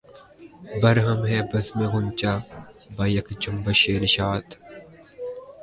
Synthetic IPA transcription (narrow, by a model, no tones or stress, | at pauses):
bɐɾɦɐmɦɛːbɐzmeɡʊnt͡ʃaːbɐjɐkd͡ʒʊmbɐʃeːɾʃaːt̪